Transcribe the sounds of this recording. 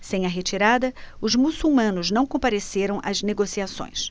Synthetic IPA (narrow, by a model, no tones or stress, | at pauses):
sẽj̃ɐɦet͡ʃiɾad̪ɐʊzmusuwmɐ̃nʊznɐ̃w̃kõpaɾeseɾɐ̃w̃ʔɐzneɡosiasõ̰j̃s